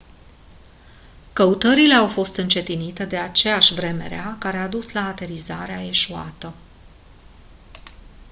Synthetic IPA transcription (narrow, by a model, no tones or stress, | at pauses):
kəut̪əɾile̞awfo̞st̪ɨnt͡ʃe̞t̪init̪e̞d̪e̞at͡ʃe̞jaʃʲvɾe̞me̞̰ɾeakaɾe̞ad̪uslaːt̪e̞ɾizaɾeae̞ʃua̰t̪ə